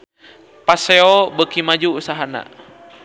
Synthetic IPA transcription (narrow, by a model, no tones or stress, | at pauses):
paseɔbəkimad͡ʒuːsaɦana̰